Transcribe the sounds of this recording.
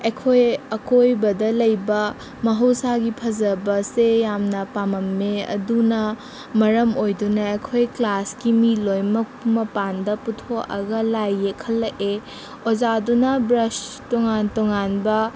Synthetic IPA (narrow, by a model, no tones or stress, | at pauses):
ekʰojɐkojbɐdɐlɐjbɐ | mɐɦɐwsaɡipʰɐzɐbɐsejamnɐpamɐmːeɐ̰dunɐ | mɐɾɐmojdunɐekʰojklaskimilojmɐ | mɐpandɐputʰoɐ̰ɡɐlajːekʰɐlːɐʔe | ozadunɐbɾɐstoŋantoŋanbɐ